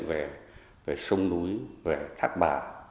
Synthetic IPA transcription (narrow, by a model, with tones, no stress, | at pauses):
nve˨˩ | ve˨˩sə˧wŋ͡mnu˨˦jve˨˩t̪ʰaː˦˥k̚ɓa̰ː˧˩